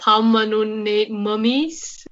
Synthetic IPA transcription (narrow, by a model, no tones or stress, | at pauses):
pʰamːənunːeməmis